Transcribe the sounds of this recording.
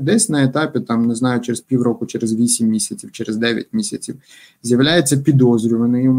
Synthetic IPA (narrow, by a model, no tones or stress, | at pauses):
d̪ɛsʲnɐet̪ɑpʲɪt̪ɑmnɛznɑjʊt͡ʃɛɾespʲiwrɔkʊt͡ʃɛɾezʋʲisʲimːʲisʲɐt͡sʲiwt͡ʃɛɾɛzd̪ɛʋʲjɐ̰tʲmʲisʲɐt͡sʲiw | zʲjɐwlʲajet͡sʲːɐpʲid̪ɔzɾʲʊʋɐnɪjʊm